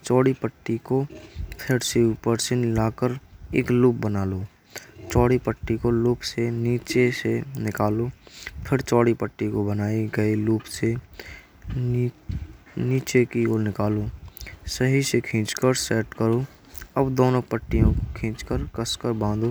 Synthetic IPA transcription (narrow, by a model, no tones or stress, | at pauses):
t͡ʃɔːɽipəʈːikopʰɪɾseuːpəɾsenɪlaːkəɾḛːkluːp̚bənaːloː | t͡ʃɔːɽipəʈːikoluːpseniːt͡ʃesenɪkaːlopʰɪɾt͡ʃɔːɽipəʈːikobənaːiɡəiluːpse | niːt͡ʃekioːlnɪkaːlosəɦisekʰĩːt͡ʃkəɾsɛːʈkəɾo | əbd̪oːnõpəʈːijõkokʰĩːt͡ʃkəɾkəskəɾbãːnd̪o